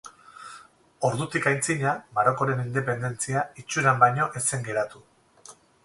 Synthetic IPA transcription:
o̞ɾðut̪ikajnt͡siɲamaɾo̞ko̞ɾe̞nind̪e̞pe̞nd̪e̞nt͡siait͡ʃuɾambajɲo̞ʔe̞se̞ŋɡe̞ɾat̪u

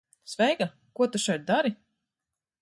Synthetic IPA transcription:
svɛjɡa | kuɔt̪uʃɛjt̪̚d̪aɾi

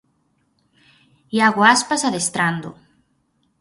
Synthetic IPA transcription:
iaɣoaspasaðest̪ɾand̪o̰

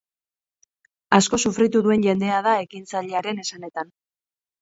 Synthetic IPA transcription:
asko̞sufɾit̪uðue̞nʝe̞nd̪e̞að̞ae̞kint͡saʎeaɾe̞ne̞sane̞t̪an

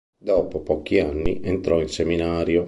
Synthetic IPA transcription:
d̪ɔːpopɔkːianːḭʔɛnt̪ɾɔinseminaːɾjo

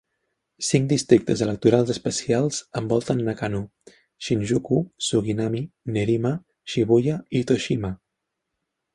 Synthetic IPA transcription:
siŋkd̪ist̪ɾik̚t̪əzələk̚t̪uɾalˠzəspəsialˠz̥əmbɔlˠt̪ənːəkanu | ʃinʲʒukusuɣinamineɾima | ʃiβuʎait̪oʃima

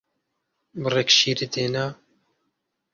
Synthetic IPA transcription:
bɨrekʃiːɾid̪eːna

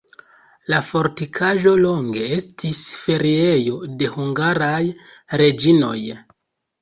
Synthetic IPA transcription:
lafo̞ɾtikʰaʒo̞lo̞ŋɡe̞e̞stʰisfe̞ɾie̞jo̞de̞huŋɡaɾajɾe̞d͡ʒino̞̰j

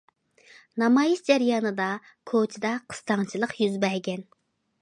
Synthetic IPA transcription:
nɑmɑjisd͡ʒɛɾjɑːnɨd̪ɑ | kʰot͡ʃʰɪd̪ɑqʰə̥st̪ɑŋt͡ʃʰilˠəqjyzbɛɾɡʲɛn

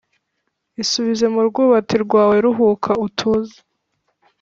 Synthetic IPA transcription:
isuβize̞muɾɡuːβatiɾɡwaːwe̞ɾuɦuːkʰautʰuːze̥

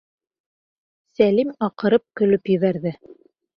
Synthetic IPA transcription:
sælimɑqɤ̆ɾɤp̚kɵ̆lɵpjɵ̆βæɾðɘ

